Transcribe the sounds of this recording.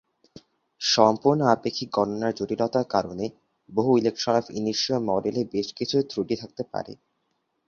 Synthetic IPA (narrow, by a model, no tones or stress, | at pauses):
ʃɔmpoɾnoapekʰːik̚ɡɔnonaɾd͡ʑoɾilɔt̪aɾkaɾone | boɦuilekʃɔɾafḭniʃomɔɖelebeʃkit͡ɕʰut̪ɾuʈit̪ʰak̚t̪epa̰ɾḛ